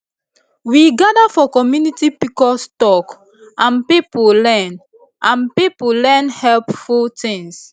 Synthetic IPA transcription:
wiɡadafɔkɔmjunitipikɔstɔk | ʔãnpipulɛ̃n | ʔãnpipulɛnhɛlpfutĩŋs

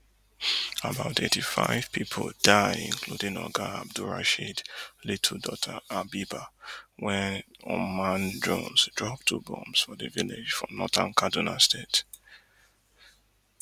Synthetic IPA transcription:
abaʊtetifa̰ɪv̥pʰipʰodaɪɪ̰̃nkʰludĩŋɔ̰ɡaab̚duɹa̰ʃidlitʰudɔtʰaabibawɛ̃nɔmãndɹõnzdɹɔp̚tʰubɔ̰̃msfɔðəviled͡ʒfɹɔ̰̃mnɔtʰãnkʰadunastet

